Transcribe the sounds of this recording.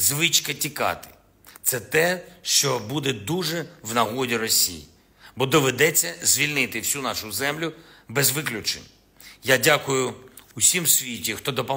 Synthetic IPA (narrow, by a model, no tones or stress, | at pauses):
zʋɪt͡ʃkɐtʲikɑ̰t̪ɪ̥ | t̪sɛt̪ɛʃt͡ʃɔbud̪ɛd̪uʒɛwnɐɦɔdʲiɾɔsʲḭjḭ | bɔd̪ɔʋed̪ɛt͡sʲːɐzʲʋʲilʲnɪt̪ɪwsʲunɑʃʊzɛmlʲʊbɛzʋɪklʲʊt͡ʃɪ̰n | jadʲakʊjʊʊsʲimsʲʋʲitʲixt̪ɔd̪ɔpɔ